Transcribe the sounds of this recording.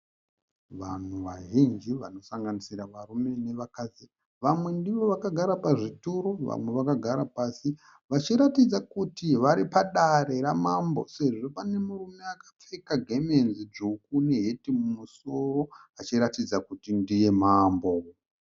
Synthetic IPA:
ʋan̤uʋaʒind͡ʒiʋa̰no̞saŋɡanisiɾaʋarume̞ne̞ʋakad͡zi | ʋamwe̞ndiʋo̞ʋakaɡʱaɾapaʐituɾoʋa̰mwe̞ʋakaɡʱaɾapasi | ʋat͡ʃiɾatid͡zakutiʋaɾipaɗaɾe̞ɾamambo̞̰se̞ʐo̞pane̞murume̞akḁp͡fekaɡʱe̞menzid͡ʒukune̞ɦetimumuso̞ro̞at͡ʃiɾatid͡zakutindije̞maːmbo

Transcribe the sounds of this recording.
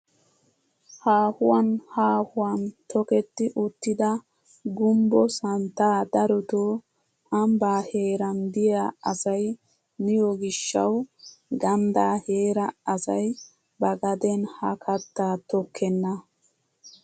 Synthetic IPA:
haːhʊwɐnhaːhʊwant̪ɔkɛt̪ːɪʔʊt̪ːɪd̪ɐ | ɡʊmbɔsɐnt̪ːaːd̪ɐɾɔt̪o | ɐmbaːhe̞ːɾɐnd̪ɪjaɐsɐj | nɪjɔɡɪʃːɐ̰wɡɐnd̪aːheːɾɐɐsɐj | bɐɡɐd̪ɛnhɐkʰɐt̪ːaːt̪ɔkʰːɛnːɐ

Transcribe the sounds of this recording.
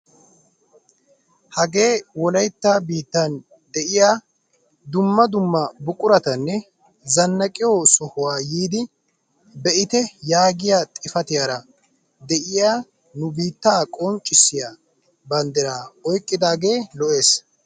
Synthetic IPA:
hɐɡe̞ːwɔlɐjt̪ːaːbiːt̪ːɐn | d̪ɛʔɪjaː | d̪ʊmːɐd̪ʊmːɐbʊkʼʊɾɐt̪ɐnːɛ | zɐnːɐkʼɪjosɔhʊwaːjiːd̪ɪ | bɛʔɪt̪ɛjaːɡɪjaːt̪ʼɪfɐt̪ɪjaːɾɐ | d̪ɛʔɪjaː | nʊbiːt̪ːaːkʼɔnt͡ʃʼːɪsːɪjaː | bɐnd̪ɛɾaːɔjkʼːɪd̪aːɡe̞ːlɔʔe̞ːs

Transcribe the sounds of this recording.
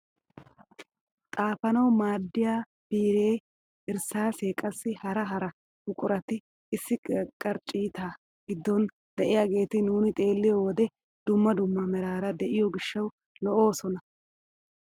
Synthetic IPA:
t̪ʼaːfɐnɐwmaːd̪ːɪjaː | b̥iːɾe̞ː | ɪɾsaːse̞ːkʼɐsːɪhɐɾɐɦɐɾɐ | hʊkʼʊɾɐt̪ɪ | ɪsːɪkʼɐɾt͡ʃʼiːt̪aː | ɡɪd̪ːɔn | d̪̥ɛʔɪjaɡe̞ːt̪ɪnuːnɪt̪ʼe̞ːlːɪjɔwɔd̪ɛ | d̪̥ʊmːɐd̪ʊmːɐmɛɾaːɾɐd̪ɛʔɪjɔɡɪʃːɐw | lɔʔo̞ːsɔnɐ

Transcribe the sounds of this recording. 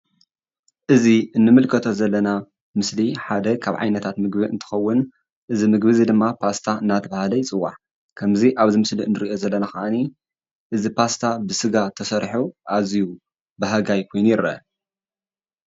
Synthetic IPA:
ʔɨziɨnːɨmɨlkʰɐt̪ʰo̞zɐlːɐna | mɨsliħad̪ɐkʰaβʕa̰jnɐt̪ʰat̪mɨɡbiɨ̰nt̪ʰɨ̥xɐwːʊn | ʔɨzimɨɡbɨzid̪ɨmːapʰast̪ʰaɨnːat̪ʰɐβahalɐjt͡sʼɨwːa̰ħ | kʰɐmziʔaβzimɨsliɨnːɨɾijo̞zɐlːɐnaxɐʔani | ʔɨzipʰast̪ʰabɨsɨɡat̪ʰɐsɐɾħuʔaziju | bɨɦaɡajkʰo̞jnujɪɾɐ̰

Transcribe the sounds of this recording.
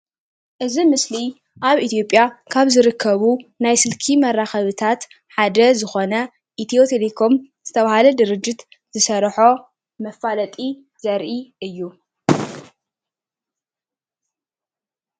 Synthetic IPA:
ʔɨzimɨsli | ʔaβit̪ʰjo̞pʼːjakʰaβzɨɾɨkʰːɐβunajsɨlkʰimɐrːaxɐβɨt̪ʰat̪ | ħad̪ɐzɨxo̞nɐ | ʔit̪ʰiot̪ʰelekʰo̞mz̥ɨt̪ʰɐβahalɐd̪ɨɾɨd͡ʒːɪt̪ | z̥ɨsɐɾħo̞ | mɐfːalɐt̪ʼi | z̥ɐɾʔiɨjːu

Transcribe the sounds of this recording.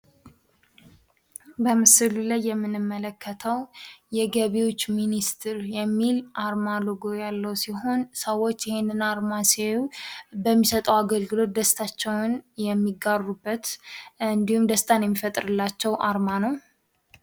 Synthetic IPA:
bəmɨsɨlulajːɛmːɨnːɨmːələkːət̪ʰəwjɛɡəβewot͡ʃːminist̪ʰɨɾjɛmːilʔaɾmaloɡojalːəwsiɦo̞nsəwːot͡ʃːɪhenːɨnaɾmasewbəmːisət̪ʼəwaɡəlɡɨlo̞t̪̚d̪əst̪ʰat͡ʃːɛwnjɛmːiɡarːubːət̪ɨnd̪ihumd̪əst̪ʰanjɛmːifət̪ʼɾɨlːat͡ʃːɛwʔaɾmanəw

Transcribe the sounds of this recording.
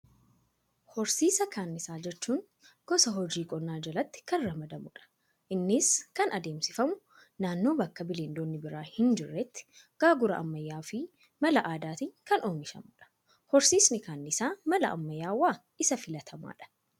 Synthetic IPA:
hɔɾsiːsɐkaːnːɪsaːd͡ʒɛt͡ʃːuːŋ | ɡ̥ɔsɐɦɔd͡ʒiːkʼɔnːaːd͡ʒɐlɐt̪ːɪ̥kɐnɾɐmɐd̪ɐmʊᶑɐ̥ | ʔɪnːɪskɐnʔɐd̪e̞ːmsɪfɐmʊ | naːnːo̞ːbɐkːɐbɪleːnd̪oːnːɪbɪɾaːhɪnd͡ʒɪrːɛt̪ːɪ̥ | ɡ̥aːɡʊɾɐ̰ʔɐ̰mːɐjːaːfɪ | mɐlɐʔaːd̪aːt̪ɪŋkɐnoːmɪʃɐ̰mʊᶑɐ̥ | hɔɾsiːsnɪkaːnːɪsaːmɐlɐʔɐ̰mːɐjːaːwːaː | ɪsɐfɪlɐt̪ʰɐma̰ːᶑɐ̥

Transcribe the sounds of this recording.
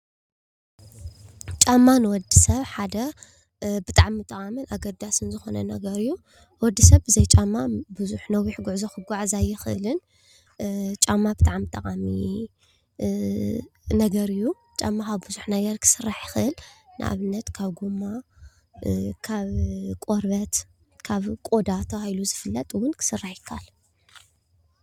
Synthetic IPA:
t͡ʃʼamːanɨwɔd̪isɐβħad̪ɐ | bɨt̪ʼaʕmɨt̪ʼɐqʼamɨlʔaɡɐd̪asɨnzɨxo̞nɐnɐ̰ɡɐɾɨjːu | wɔd̪ːisɐβɨzɐjt͡ʃʼamːabɨzuħnɐwiħɡuʕzoxɨɡʷaʕzajɪxɨʔɨlɨn | t͡ʃʼamːabɨt̪ʼaʕmt̪ʼɐqʼami | nɐɡɐɾɨjːu | t͡ʃʼamːakaβbɨzuħnɐɡɐɾkʰɨ̥sɨrːaħjɪxɨʔɨlnɨ̰ʔa̰βɨnːɐt̪kʰaβɡumːa | kʰaβkʼoɾbɐt̪ | kʰaβkʼo̞d̪at̪ʰɐβahiluzɨfɨlːɐt̪ʼwʊnkʰɨ̥sɨrːaħjɪkʰːal

